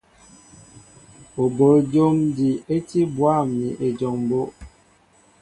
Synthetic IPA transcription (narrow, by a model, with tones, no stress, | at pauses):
o˨bo˨ld͡ʒo˦mdi˨e˦ti˦bwa˦˨mi˨ʔe˨d͡ʒɔ˨ŋbo˦ʔ